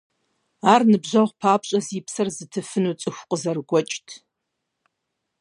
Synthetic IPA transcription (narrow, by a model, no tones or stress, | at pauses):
aːrnɨbʑɐʁʷpʰaːpʰɕʼɐzipʰsɐrzɨtʰɨfɨnut͡sʼɨxʷqʼəzɐrɡʷɔt͡ʃʼtʰ